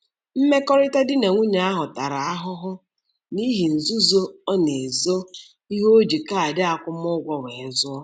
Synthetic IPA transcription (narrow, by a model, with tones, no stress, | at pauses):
m̩˦me˦kɔ˦ɾɪ˦ta˦dɪ˦ne˨ŋʷu˦ɲa˨a˦ɦʊ˨ta˨ɾa˨a˦ɦʊ˦ɦʊ˦ | ni˦ɦi˨n̩˨zu˦zo˦ɔ˦ne˨zo˦ | i˦ɦo˦d͡ʒi˨ka˦a˨dɪ˦a˨kʷʊ˦m˦ʊ˦ɡʷɔ˦we˨˦zʊ˦